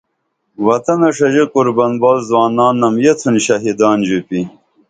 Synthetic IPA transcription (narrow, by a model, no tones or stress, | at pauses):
wɐt̪ɐnɐʂɐʑekuɾbɐnbaːlzwaːnaːnːɐmjet͡s̪ʰunɕɐɦid̪aːnd͡ʑupi